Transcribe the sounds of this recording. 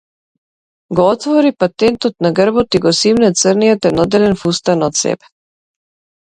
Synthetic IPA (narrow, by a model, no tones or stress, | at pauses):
ɡɔɔt̪vɔɾipat̪ɛnt̪ɔt̪naɡrbɔt̪iɡɔsivnɛt̪sərnijat̪ɛnɔd̪ɛlɛnfust̪anɔt̪sɛ̰bɛ̥